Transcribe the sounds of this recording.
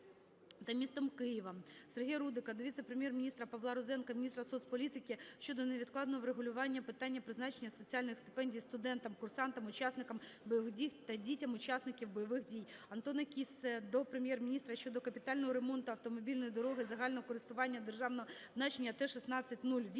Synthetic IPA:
t̪ɐmʲist̪ɔmkɪjɪʋɐserɦʲɛjɾud̪ɪkɐd̪ɔʋʲit̪sɛpɾemʲjɛrmʲinʲist̪ɾɐpɐʋlˠɑɾɔzɛnkɐmʲnʲist̪ɾɐsɔt̪sʲpɔlʲit̪ɪkʲɪʃt͡ʃɔd̪ɔneʋʲid̪klˠɑd̪nɔɦɔʋɾeɦʊlʲʊʋɑnʲːɐpɪt̪ɑnʲːɐpɾɪznɑt͡ʃenʲːɐsɔt͡sʲialʲnɪxst̪ɪ̥pɛnʲdʲijst̪ʊd̪ɛnt̪ɐmkʊrsɑnt̪ɐmʊt͡ʃɑsnɪkɐmbɔjʋɪdʲijt̪ɐdʲitʲɐmʊt͡ʃɑsnɪkʲiwbɔjɔʋɪxdʲijɐnt̪ɔnɐkʲisɛd̪ɔpɾemjɛrmʲinʲist̪ɾɐʃt͡ʃɔd̪ɔkɐpʲɪt̪ɑlʲnɔɦɔɾemɔnt̪ʊɐwt̪ɔmɔbʲilʲnɔjid̪ɔɾɔɦɪzɐɦɑlʲnɔɦɔkɔɾɪst̪ʊʋɑnʲːɐd̪erʒɑwnɔɦɔznɑt͡ʃenʲːɐt̪ɛʃisnɑt͡sʲːɐt̚ʲnulʲʋʲ

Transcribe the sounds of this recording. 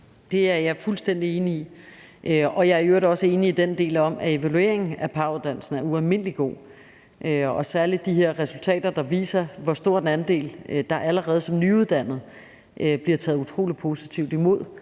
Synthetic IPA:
d̥e̝æɐjɑ̈fulsd̥en̰d̥ie̝ːnii | ʔøɒ̽jɑ̈æɐøɐɾɒ̽səe̝ːniːd̥end̥e̝̰ːlɒ̽mʔæe̝ʋælue̝̰ɐ̰eŋ̩æpʰɑ̈uðˠd̥æn̰l̩sn̩æɐuælme̝n̰liɡ̥o̝̰ː | ʔøɒ̽sæɐlid̥ːiɦe̝ɐ̰ʁɛsult͡sʰɛ̰ːd̥ɐd̥ɑ̈ʋḭːsɐʋɒsd̥o̝ɐ̰d̥enænd̥e̝̰ːld̥ɑ̈ʔæləʁɛːð̩ˠsɒ̽mnyuð̞ˠd̥æn̰ð̞̩ˠ | ʔøb̥liɐt͡sʰɛ̰ːðˠut͡sʰʁo̝̰ːli̥pʰo̝ːsi̥t͡sʰiʊ̰d̥imo̝ð̞̰ˠ

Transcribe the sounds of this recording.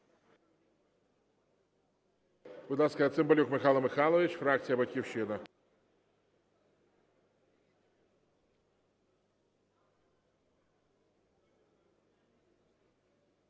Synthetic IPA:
bʊd̪lˠɑskɐɐt̪sɪmbɔlʲukmɪxɑlˠɐmɪxɑlˠɔʋʲit͡ʃfɾɑkt͡sʲijɐbɐtʲkʲiwʃɪnɐ

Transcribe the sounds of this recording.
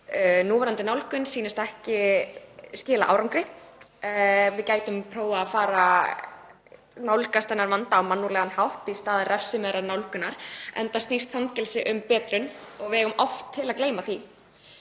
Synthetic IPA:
nuːvaɾant̪ɪnawlkʏnsiːnɪst̪aɛhcɪ | scɪːla̰ʔa̰wɾawŋkɾɪ | vɪðcaːjt̪ʏmpʰɾoːwaːfaːɾa | nawlkast̪ɛnːaɾvant̪aːwmanːuɾlɛɣanhawht̪ist̪aːðɪrɛfsɪmɛðɾanawlkʏnaɾ̥ɛ̰nt̪ast̪nist̪fawŋcɛlsɪʔʏmpɛːt̪ɾʏnɔɣvɪɛɣʏmʔɔft̪ʰːɪlakleːjmaθi

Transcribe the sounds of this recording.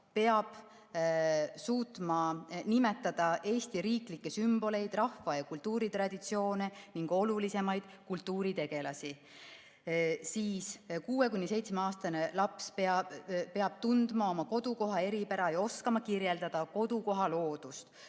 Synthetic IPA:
pe̞ɑb̥ | suːt̪mɑnimet̪ːˑɑd̪̥ɑʔe̞ːst̪iɾiːklikːe̞symb̥o̞le̞jd̪̥rɑhvɑjɑkult̪ˑːuːɾit̪ɾɑd̪it̪sio̞ːneniŋɡ̥o̞lulise̞mɑjd̪̥kult̪ːˑuːɾit̪e̞ɡ̥e̞lɑsi | siːskuːe̞kunʲːise̞jt̪smeɑːst̪ɑnelɑpspeɑpe̞ɑb̥t̪und̪mɑo̞mɑko̞d̪̥uko̞ɦɑe̞ɾipæɾɑjɑo̞skɑmɑkirje̞ld̪̥ɑd̪̥ɑko̞d̪̥uko̞ɦɑlo̞ːd̪̥ust̪

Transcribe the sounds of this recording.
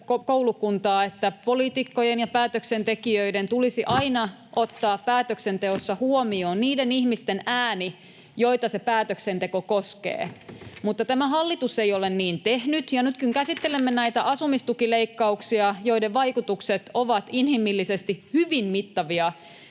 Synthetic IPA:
kokoulukunt̪ɑːet̪ːæpolit̪ikːojenjɑpæːt̪øksent̪ekiøident̪ulisiʔɑinɑ | ʔot̪ːɑːppæːt̪øksent̪eosːɑhuomioːnniːdenihmist̪enæːni | jo̞jt̪ɑsepæːt̪øksent̪ekokoskḛːmut̪ːɑt̪æmæhɑlːit̪useijolenniːnt̪ehnyt̪jɑnyt̪kyŋkæsit̪ːelemːenæit̪æʔɑsumist̪ukileikːɑuksiɑjo̞ideʋʋɑikut̪ukset̪oʋɑt̪inhimːilːisest̪ihyʋinmit̪ːɑʋiɑ

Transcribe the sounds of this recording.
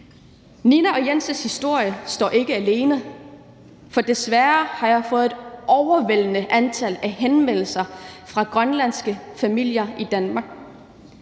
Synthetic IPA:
ninæɒ̽jensəshisd̥o̝ɐ̰jəsd̥ɒ̰ːʔe̝ɡ̥əæle̝ːnə | fɒ̽d̥e̝sʋæɐhɑ̈jɑ̈ɪfɔ̽ːð̩ˠedʔɒʊɐʋel̰ənəʔænt͡sʰælæɦenmen̰l̩sɐfʁɑ̈ɡ̥ʁɶnlæn̰sɡ̥əfæmil̰jɐʔid̥ænmɑ̈ːɡ̥̚

